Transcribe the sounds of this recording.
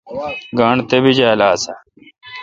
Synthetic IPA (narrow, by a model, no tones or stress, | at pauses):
ɡaːɳt̪ebid͡ʑaːlaːsɐ